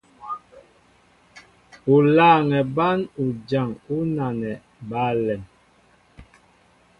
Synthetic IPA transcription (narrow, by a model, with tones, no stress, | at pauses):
u˨laː˦˨ŋɛ˨ba˦nu˨d͡ʒa˨ŋu˦na˨nɛ˨ | ba˦lɛ˨m